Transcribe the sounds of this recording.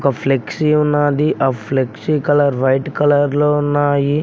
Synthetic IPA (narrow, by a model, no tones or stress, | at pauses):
kɐpʰleksiunːaːd̪iʔaːpʰleksikɐlɐɾʋɐjʈkɐlɐɾloːunːaːji